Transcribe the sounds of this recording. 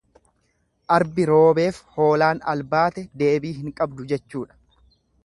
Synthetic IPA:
ʔɐɾbɪɾo̞ːbe̞ːfho̞ːlaːnɐ̰lbaːt̪ɛd̪e̞ːbiːɦɪŋkʼɐbd̪ʊd͡ʒɛt͡ʃːuːᶑɐ̥

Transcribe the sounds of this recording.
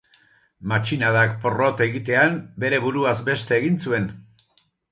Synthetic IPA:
mat͡ʃinaðakporo̞t̪e̞ɣit̪e̞ambe̞ɾe̞βuɾuazbe̞st̪e̞ːɣint͡sue̞n

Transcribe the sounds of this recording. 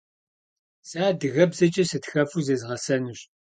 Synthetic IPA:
saːdɨɣɐbzɐt͡ʃʼɐsɨtxɐfuzeːzʁɐsɐnuɕ

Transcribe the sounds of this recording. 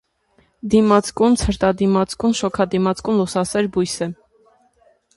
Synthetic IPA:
d̪imɑt͡skunt͡sʰəɾt̪ɑd̪imɑt͡skunʃɔkʰɑd̪imɑt͡skunlusɑsɛɾbujsɛ

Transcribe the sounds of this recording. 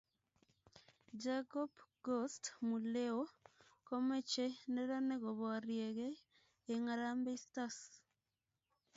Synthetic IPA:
d͡ʒakopɡostmuleokomet͡ʃeneɾaneɣoβoɾjeɣeː | ŋaɾambeistas

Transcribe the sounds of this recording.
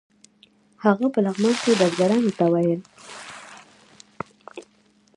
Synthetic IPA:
haɣapəlaɣmɑnked̪azɡaɾɑnot̪awajəl

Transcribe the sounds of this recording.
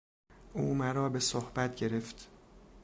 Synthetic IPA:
ʔuːmæɾɒːbe̞sohbæt̪̚ʰɟe̞ɾeft̪

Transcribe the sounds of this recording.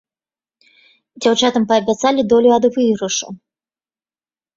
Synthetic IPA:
d͡zʲawt͡ʂat̪ɐmpɐːbʲat̪salʲid̪ɔlʲuɐd̪vɨɾɐʂɐ̰

